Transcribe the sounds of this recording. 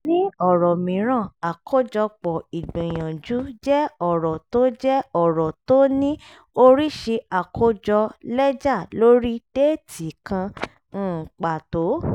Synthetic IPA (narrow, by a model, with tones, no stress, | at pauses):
nĩ˦ɔ˦˨ɾɔ˨mĩ˨˦ɾ̃ã˦˨a˨kʰo˦d͡ʒɔ˧k͡pɔ˨i˨ɡ͡bĩ˨j̃ã˨d͡ʒu˨˦d͡ʒɛ˦ɔ˦˨ɾɔ˨to˦d͡ʒɛ˦ɔ˦˨ɾɔ˨to˦nĩ˦ | o˧ɾi˦ʃe˧a˨kʰo˦d͡ʒɔ˧lɛ˦d͡ʒa˦˨lo˦ɾi˦d̥e˦˨tʰi˨kã˧ | n̩ː˦˨k͡pa˨to˨˦